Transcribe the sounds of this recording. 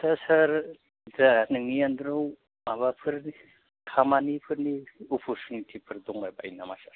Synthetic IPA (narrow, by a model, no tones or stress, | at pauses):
sʰasaɾ | daanɯŋijand̪ɾɯw | maβapʰɯɾni | kʰamanipʰɯɾniupʰɔɾt͡ʃunitʰipʰɯɾd̪ɔŋbaba̰jnamasaɾ